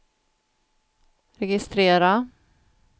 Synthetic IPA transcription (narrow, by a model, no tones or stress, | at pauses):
ɾɛɡɪst̪ɾeːɾa